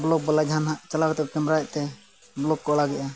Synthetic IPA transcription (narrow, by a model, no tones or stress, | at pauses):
bɔlɔk̚blad͡ʒʱanɦaʔt͡ʃalakt̪ɛkɛmɾajʔt̪ɛ | blɔkːɔʔɔlaɡɛʔa